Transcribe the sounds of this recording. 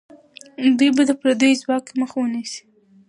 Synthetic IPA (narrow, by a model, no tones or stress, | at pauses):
d̪ujbad̪əpɾad̪əjzwɑkməxwənisi̥